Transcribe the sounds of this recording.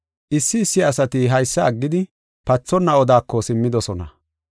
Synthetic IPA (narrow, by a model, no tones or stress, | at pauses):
ʔɪsːɪːsːɪɐsɐt̪ɪɦɐjsːɐːɡːɪd̪ɪ | pɐt͡sːɔnːɐɔd̪aːkːɔsɪmːɪd̪ɔsɔnɐ